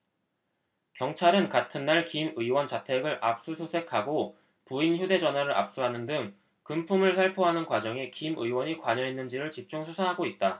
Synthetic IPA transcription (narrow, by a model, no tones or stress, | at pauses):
kjʌŋt͡ɕʰaɾɯnkatʰɯnːaɭkimɯiwʌnt͡ɕatʰe̞ɡɯɾʔap̚s͈usʰosʰe̞kʰaɡo | puinçjude̞d͡ʑʌnɦwaɾɯɾʔa̰p̚s͈uɦanɯndɯŋ | kɯmpʰumɯɭsʰaɭpʰoɦanɯnkwad͡ʑʌŋikimɯ̰iwʌɲikwaɲʌɦenːɯnd͡ʑiɾɯɭt͡ɕip̚t͡ɕ͈uŋsʰusʰaɦaɡoit̚t͈a